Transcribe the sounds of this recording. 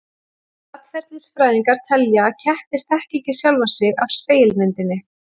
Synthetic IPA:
at̪fɛɾ̥t̪ɪnsfɾaːjðiŋkaɾ̥t̪ʰɛljacʰɛht̪ɪɾ̥θɛhciɲcɪsjawlvasɪɣavspeːjlmɪnt̪ɪnːɪ

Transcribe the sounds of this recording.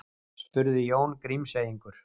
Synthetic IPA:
spʏɾðɪjoːwnkɾimseːjiŋkʏɾ̥

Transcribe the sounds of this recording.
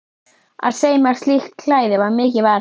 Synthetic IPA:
a̰ð̥seːjmaɾ̥st̪ixt̪̚kʰl̥aːjðɪvaɾmɪːcɪvaɾ

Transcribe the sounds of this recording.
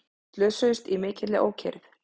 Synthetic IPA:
t̪lœːsœʏst̪imɪːcɪɾlɪʔo̰ːwcʰɛ̰ɾθ

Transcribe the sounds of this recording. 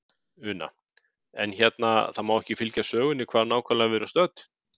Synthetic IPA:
ʏːna̰ | ɛnçɛt̪naθaðmawɛhcɪfɪlcasœːɣʏnɪkʰvaːðnaːwkʰalavɛɾʏ̥st̪œt̪

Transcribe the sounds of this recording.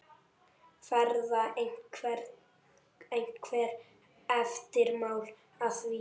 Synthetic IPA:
fɛɾðaeŋ̥kʰvɛ | ejŋ̥kʰvɛːɾ | ɛft̪ɪɾmaːwl | aθvi

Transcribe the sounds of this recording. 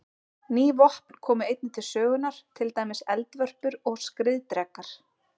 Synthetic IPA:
niːvɔhp̚n̥kʰɔːmʏejt̪̚nɪt̪ʰɪlsœːɣʏnaɾ̥t̪ʰɪlt̪aːjmɪsɛlt̪vœr̥pʏɾɔɣskɾɪðt̪ɾɛkːaɾ̥

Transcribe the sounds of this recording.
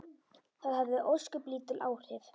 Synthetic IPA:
θaðhɛvðɪʔoskʏpliːt̪ɪlʔa̰ːwr̥ɪf

